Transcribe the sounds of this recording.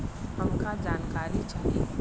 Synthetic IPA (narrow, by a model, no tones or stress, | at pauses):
haŋkad͡ʒaːnkaɾit͡ʃa